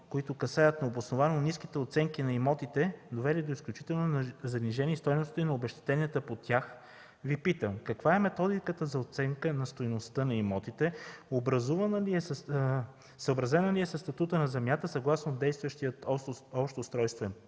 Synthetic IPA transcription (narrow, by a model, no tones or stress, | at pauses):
koit̪okɐsajət̪nɐobosnovannisk̟it̪ɛot̪sɛŋkinɐimɔt̪it̪ɛd̪ovɛlid̪oisklʲut͡ʃi̥t̪ɛlˠnozɐniʒɛniːst̪ɔjnost̪t̪inɐobɛʃt̪ɛ̥t̪ɛniət̪əpot̪ʲax | vipit̪əmkɐkvaɛmɛt̪ɔd̪ikət̪əzɐot̪sɛŋkənɐst̪ojnost̪ɤnɐimɔt̪it̪ɛobɾɐzuvənliɛ | səobɾɐzɛnəliɛsəst̪ɐt̪ut̪ənɐzɛmʲjat̪əsɐɡlˠasnod̪ɛjst̪vəʃt̪ijət̪ɔpʃt̪ost̪ɾɔjst̪vɛ